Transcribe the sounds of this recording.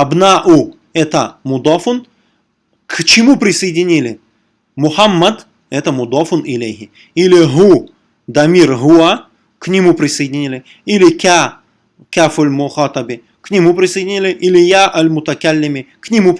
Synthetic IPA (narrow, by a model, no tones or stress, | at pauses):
ɐbnaʔu | ɛt̪əmʊd̪ɔfʊn | kʰt͡ɕɪmupɾʲɪsəjɪdʲɪnʲilʲɪ | mʊħamːɐd̪ | ɛt̪əmʊd̪ɔfʊnɪlʲejɦɪ | ilʲɪɦu | d̪ɐmʲirɦʊa | knʲɪmupɾʲɪsəjɪdʲɪnʲilʲɪ | ilʲɪkʲa | kʲafʊlʲmʊxɑt̪ɐbɪ | knʲɪmupɾʲɪsəjdʲɪnʲilʲɪʔilʲɪjaʔɐlʲmʊt̪ɐkalʲːɪmʲɪknʲɪmup